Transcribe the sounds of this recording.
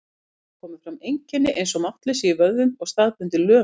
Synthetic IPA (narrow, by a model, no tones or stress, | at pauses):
kʰɔːmɪðfɾamejɲcɪnːɪʔḛjnsɔmaht̪lɪsivœððʏmɔɣst̪aːðpʏnt̪ɪlœː